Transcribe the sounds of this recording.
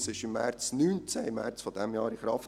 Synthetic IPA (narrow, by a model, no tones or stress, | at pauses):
sɪʃɪmːɛ̰ɾt͡snyːnt͡sɛɪmːɛ̰ɾt͡sfodɛmjɑːɾiχɾɑft